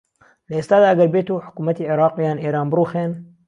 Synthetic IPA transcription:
lɐʔeːst̪aːd̪aːʔɐɡɐɾbeːt̪uːħʊ̥kuːmɐt̪iːʕɪɾɑːqjaːnʔeːɾaːnbɾuːxeːn

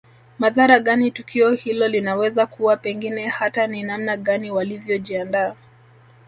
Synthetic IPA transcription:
maðaɾaɠanitukʰiɔhilɔlinawɛzakuwapɛŋɡinɛhataninamnaɠaniwalivjɔʄiandaː

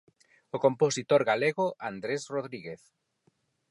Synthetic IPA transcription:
okomposit̪oɾɣaleɣoʔand̪ɾesroð̞ɾiɣeθ

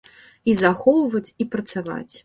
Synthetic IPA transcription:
izaxɔwvɐt͡sʲipɾɐt̪sava̰t͡sʲ

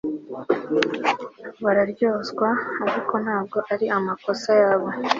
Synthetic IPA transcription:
βaɾaɾɟoːzɡwaːɾiko̞n̥haːb̚ɡo̞ʔaɾiamako̞sajaːβo̞

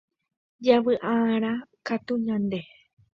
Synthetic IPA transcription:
d͡ʒaʋɨʔãɾ̃ãkat̪uɲãnd̪e

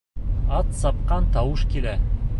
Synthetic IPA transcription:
ɑt̪sɑp̚qɑnt̪ɑwɤʃkilæ

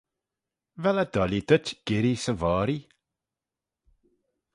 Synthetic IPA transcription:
vɛlad̪ɔlid̪ətɡ̥ɪɾisəvɔːɾi

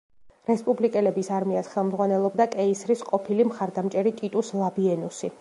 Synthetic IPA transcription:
ɾɛspʼublikʼɛlɛbisaɾmiasχɛlˠmd̪zʁwanɛlˠɔbd̪akʼɛisɾisqʼɔpʰilimχaɾd̪amt͡ʃʼɛɾit̪ʼit̪ʼuslˠabiɛnusi

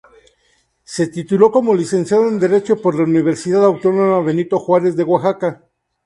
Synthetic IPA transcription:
se̞t̪it̪ulo̞ko̞mo̞lise̞nsjaðoend̪e̞ɾe̞t͡ʃopo̞ɾlauniβ̞e̞ɾsiðaðawt̪o̞no̞maβe̞nit̪o̞xwaɾe̞zðe̞ɣwaxaka

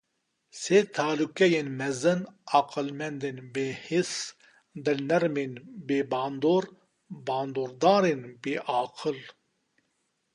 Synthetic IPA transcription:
seːt̪ʰaːlukʲɛjenmɛzɨnaqɨlmɛnd̪enbeːhis | d̪ɨnɛɾmenbeːbɑːnd̪oːɾ | baːnd̪oːɾd̪aːɾenbeːʔɑːqʰɨl

